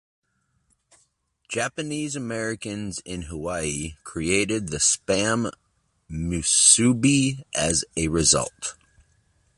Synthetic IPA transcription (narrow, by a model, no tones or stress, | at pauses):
d̥ʒ̥æpɨnizɨmɛɹɨkɨ̃nzɪ̃nɦəwaɪikʰɹ̥ieɪɾɪd̪̚ðɨspæ̃mː | ʉsʉbiʔɨzɨɹɨzʌ̰lˠt